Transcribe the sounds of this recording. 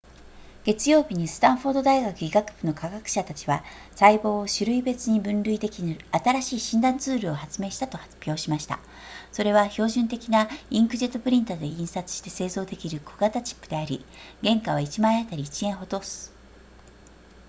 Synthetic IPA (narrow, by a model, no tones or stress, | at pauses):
ɡ̥e̞t͡sɨjo̞ːbʲiɲ̟isɨ̥t̪ãɰ̃ɸo̞ːd̪od̪aiɡakɯ̟iɡakɯ̥b̥ɯ̟no̞kaɡakɯ̟̥ɕat̪at͡ɕiβa | saibo̞ːɕɨɾɯ̟ibe̞t͡sɨɲ̟ibɯ̟̃nɾɯ̟id̪e̞kʲinat̪aɾaɕiːɕĩnd̪ãnt͡sɨːɾɯ̟o̞hat͡sɨme̞ːɕi̥t̪at̪o̞hapʲjo̞ːɕimaɕi̥t̪a̰ | so̞ɾe̞βaço̞ːʑɨ̃nt̪e̞kʲinaĩŋkɯ̟ʑe̞t̪ːo̞pɯ̟ɾʲĩnt̪ad̪e̞ĩɰ̃sat͡sɨ̥ɕi̥t̪e̞se̞ːzo̞ːd̪e̞kʲiɾɯ̟kʰoɡat̪at͡ɕi̥pːɯ̟d̪e̞aɾʲiɡẽ̞ŋkaβ̞ait͡ɕimaiat̪aɾʲiːt͡ɕiẽ̞ɰ̃ɦo̞t̪o̞ːsɨ̥